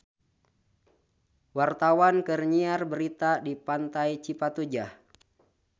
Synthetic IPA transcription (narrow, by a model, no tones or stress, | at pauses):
wart̪awankərɲiarbəɾit̪adipant̪ajt͡ʃipat̪ud͡ʒah